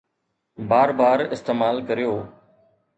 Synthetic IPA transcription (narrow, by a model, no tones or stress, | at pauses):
baːɾbaːɾɪst̪eːmaːlkəɾijoː